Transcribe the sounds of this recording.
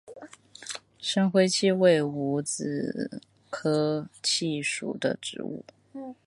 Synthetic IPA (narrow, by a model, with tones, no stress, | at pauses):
ʂə˥nxwe˥ɪt͡ɕʰi˥˧we˥˩ɪu˧˥t͡sɹ̩˨˩ | kʰɤ˥t͡ɕʰi˥˩ʂṵ˨˩d̪ə̰˦ʈ͡ʂɻ̩̰˧˥ṵ˥˩